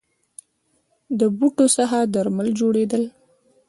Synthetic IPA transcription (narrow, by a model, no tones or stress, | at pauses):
d̪əbuʈosaɦad̪aɾməld͡ʒoɽed̪əl